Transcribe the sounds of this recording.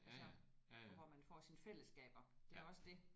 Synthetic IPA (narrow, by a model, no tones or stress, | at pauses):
æsɒʋɒmænfɒ̰ːsinfel̰əsɡ̥ɛ̰ːb̥ɐd̥e̝æɒ̽səd̥e̝